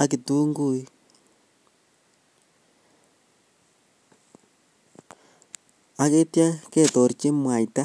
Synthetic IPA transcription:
a˨ki˨tu˦ŋɡu˨i˦ | a˨ke˦tja˦ke˦˨to˨ɾi˨t͡ʃe˦mwa˨i˨ta˦

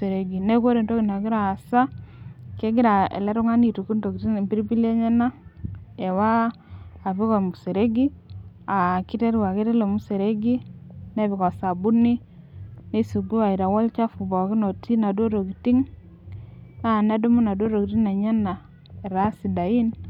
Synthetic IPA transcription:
se˨ɾe˨ɡi˨ne˦ko˦ɾe˨nto˦ki˨na˨ɡi˦ɾaː˨sa˦ke˦ɡɪ˦ɾa˨ḛ˨le˦ɾʊ˦ŋa˦ni˨tu˨ku˦ndo˨ki˨ti˦˨mbi˦ɾibi˦lje˦ɲe˦na˦e˨waː˦˨ | βi˦kɔ˨mu˨se˨ɾe˦ɡi˦ | a˨ki˦te˦ɾwa˨ke˦te˦le˨mu˦se˨ɾe˦ɡi˦ne˦βi˨kɔ˨sa˨bu˦ni˦ | ne˦su˨ɡu˦wa˨i˨ɾa˨wɔ˦lt͡ʃa˦fu˨bɔ˨ki˦no˨ti˦na˨do˦ɾo˨ki˨ti˦ŋ | a˦˨na˦do˦mu˦na˨do˦ɾo˨ki˨ti˦ŋna˨ɲe˦na˨ | e˨ɾa˦si˨da˨i˦n

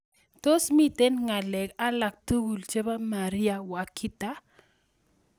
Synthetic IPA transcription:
to˦smi˦te˦nŋa˨lɛ˨ka˦la˨k̚tu˦ɡu˨lt͡ʃe˦ba˦ma˨ɾi˦a˨wa˨kʰi˦ta˦

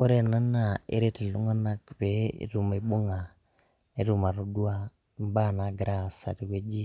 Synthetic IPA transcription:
o˦ɾe˦na˦na˨ḛ˦ɾe˦ti˨lu˦ŋa˦na˦kbḛ˨˦˨ɾu˨mi˨bʊ˦ŋa˨ | e˦ɾu˦˨ma˨ɾu˦du˦a˦ | m˦ba˦˨na˨ɡɾa˦sa̰˨ti˨ke˦d͡ʒi˦

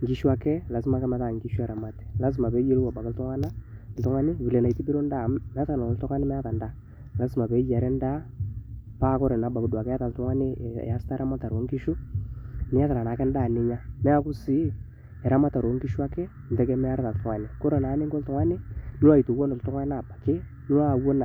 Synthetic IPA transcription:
ŋɡi˦ʃu˦a˦kɛ˦la˨s̬ɪ˦ma˨˦kɛ˦mɛ˨ta˦˨ŋɡi˦ʃu˦ɛ˨ɾa˨ma˨ti̥˨la˦s̬ma˨pɛ˨˦je˦lwa˨ba˨kɪ˦ltʊ˦ŋa˦na˦˨ltʊ˦ŋa˦nɪ˦vi˨lɛ˨na˨i˨ti˦bi˦ɾo˦nda˦˨mɛ˦a˦a˨na˨ltʊ˦ŋa˦nɪ˦mɛ˦a˦ta˨nda˦˨ | la˨˦sma˨pɛ˨˦d͡ʒa˨ɾɛ˦nda˦ | pa˦kɔ˦ɾɛ˨na˨ba˨ku˨˦dwa˨kɛ˦a˦ta˨ltʊ˦ŋa˦nɪ̰˦˨a˦sta˦ɾa˦ma˦ta˨ɾwo˦ŋɡi˦ʃu˦ | nɪ˦ja˦ta˨a˨na˨kɛ˦nda˦˨nɪ˦ɲa˦mɛ˦a˦kʊ˦sɪ˦ | ɛ˨ɾa˦ma˦ta˨ɾwo˦ŋki˦ʃu˦a˦kɛ˦ | n̩˨tɛ˦kɛ˦mɛ˦a˦ɾta˨ltʊ˦a˨nɛ˨kɔ˦ɾe˨na˨˦ne˦ŋkɔ˦ltʊ˦ŋa˦nɪ˦nɪ˦wa˦˨i˨to˨wo˦nɔ˨ltʊ˦ŋa˦na˨ba˨ke˦ | nɪ˦wa˦˨wo˦na˨

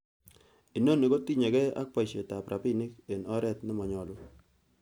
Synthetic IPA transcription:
i˨no˦˨nːi˨ko˦ti˦ɲe˨kɛ˦a̰˦k̚pa˨ʃe˨ta˨pɾʔa˨pɪ˦nɪ˦ke˨nɔ˦ɾɛ˦˨tnɪ˦mɔ˨ɲɔ˨lʊ˦

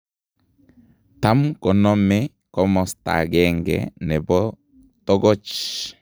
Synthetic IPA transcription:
ta˦mkɔ˨nɔ˦mɛ˦ | kɔ˦mɔ˨sta̰˨ɡɛ˦ŋɡɛ̰˦nɛ˨bɔ˦ | tɔ˦ɡɔ˦t͡ʃ

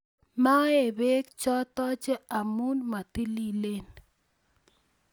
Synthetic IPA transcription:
ma˦e˨be˦kt͡ʃɔ˦t̪ɔ˦t͡ʃe˦a˨mu˦nma˨t̪i˦li˦˨le˦n

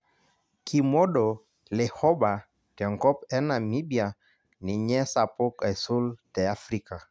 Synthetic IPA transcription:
kʰi˨mɔ˦ɗɔ˨ | lɛ˨hɔ˦ba˨ | tɛ˨ŋkɔ˦pɛ˦na˨mi˦bja˨ | ni˨ɲɛ˦sa˨po˦kɛ˨su˦ltɛ˨a˦fɾi˦ka˨

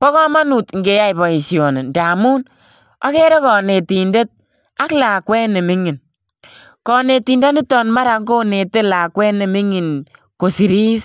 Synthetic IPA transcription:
pɔ˦kɔ˦ma˦nu˨tŋɡe˨ja˦jbɔ˨i˨sjo˨ne˨nda˨mu˦n | ɔ˦kɛ˦ɾe˦kɔː˨ne˨ti˨nde˦t̚ | a˦klaː˨kwɛ˦ne˨mi˦ŋi˨n | kɔ˨ne˨ti˨nda˦nɪ˦tɔ˨nma˦ɾa˨˦ŋɡo˦ne˨te˦la˨kwɛ˦ne˨mi˦ŋi˨n | ko˨si˨ɾiː˦s

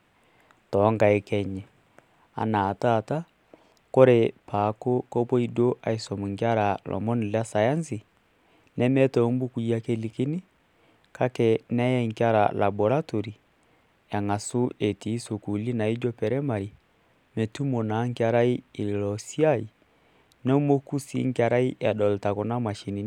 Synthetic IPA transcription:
tɔ˨˦ŋɡa˨ɛ˨kɛ˦ɲɛ˨ | a̰˨naː˨ta˦˨ta˦ | ko˦ɾe˨pa˨ko˦kɔ˦pɔ˦i˨do˦ʔa˨i˨sɔ˨mu˨ŋɡa˦ɾa˨lʔɔ̰˨mɔ˦ni˨la˦sa˨ja˦nsi˨ | nɛ˦mɛ˦tɔ˨˦m˦bu˦ku˨˦a˦ke˦li˨ki˦ni˦ | ka˦kɛ˨nɛ˦jɛ˦ŋ˨kja˦ɾa̰˨la̰˨bɔ˨ɾa˦to˨ɾi˨ | ja˨ŋa˨su˦ʔe˨tiː˨˦so˨ku˨li˦na˨i˦d͡ʒɔ˦pɛ˨ɾɛ˦ma˨ɾi˨ | mɛ˨tu˦mɔ˨na˨˦ŋ˦ka˦ɾa˦i˦i˨i˨lɔ˨si˦a˦i˨ | nɛ˦mo˦ku˦sḭ˦ŋ˦kja˨ɾa˦i˦a˨dɔ˨lta˨kɔ˨na˦ma˨ʃi˨ni˨

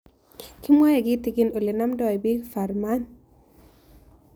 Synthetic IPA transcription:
kɪ˦mwɔ˦jɛ˨ɡɪ˦ti˨ki˦no˨le˨na˦mdɔ˦˨ɛ˨bi˦kfa˨ɾma˦n

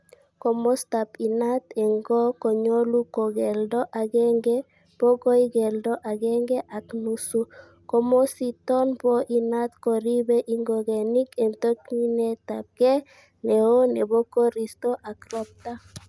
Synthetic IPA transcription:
ko˨mo˦st̪a˨pi˨na˦t̪e˨ŋɡɔ˦ko˨ɲo˦lu˦ko˨ɡɛ˨ldɔ˦ʔa˨ɡɛ˦ŋɡe˦ | b̥o˦ko˦i˦ɡɛ˨ldɔ˦ʔa˨ɡɛ˦ŋɡɛ˦ʔa˨knu˦su˦ | ko˦mo˦si˦t̪ɔ˦npo˦ʔi˨na˦t̪ko˨ɾi˦be˦ʔi˨ŋɡo˨ɡe˨ni˦ke˨mt̪o˦kni˦ne˦t̪a˨p̚ɡ̥ɛ˦ | ne˨o˦ne˨bo˦ko˦ɾi˨st̪o˦ʔa˨kɾɔ˦p̚t̪a˦

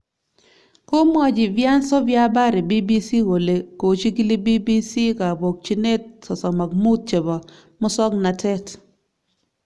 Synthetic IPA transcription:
ko˦mwɔ˦d͡ʒɪ˨vja˦nsɔ˦vja˦ba˦ɾe˨bi˦bi˦si˦wo˨le˨ko˨t͡ʃi˦ki˦li˦bi˦bi˦si˦ka˨bo˨k̚t͡ʃi˦ne˦t̚sɔ˨sɔ˨ma˨k̚mu˦t̚t͡ʃe˨bɔ˨ | mɔ˦sɔ˦kna˨tɛ˦t

